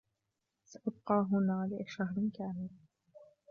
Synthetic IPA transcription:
saʔab̚qɑːɦʊnaːʕala̰ːʃaɦɾɪnkaːmɪl

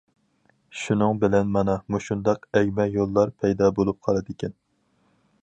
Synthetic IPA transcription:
ʃunɨŋbɪlɛnmɑnɑmuʃund̪ɑqɛɡʲmɛjolˠːɑɾpʰɛjd̪ɑːbolˠup̚qʰɑlˠɨd̪ɪkʲʰɛn

